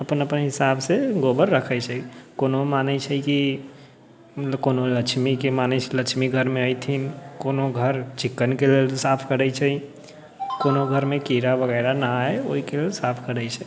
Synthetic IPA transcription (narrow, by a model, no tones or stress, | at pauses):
əpənəpənɦɪsabseɡobəɾːəkʰət͡ʃʰɛkonomanɛt͡ʃʰɛki | konoləkt͡ʃʰmikemanɛt͡ʃʰɛləkt͡ʃʰmiɡʱəɾmẽəjt̪ʰinkonoɡʱəɾt͡ʃikːənkelelsapʰkəɾət͡ʃʰɛi | konoɡʱəɾmekiɾabʱəɣəɪɾanaeoikelelsapʰkəɾɛjt͡ʃʰɛ